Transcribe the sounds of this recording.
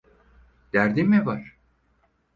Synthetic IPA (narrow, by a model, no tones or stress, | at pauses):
d̪̥æɾd̪imɛvaɾ̥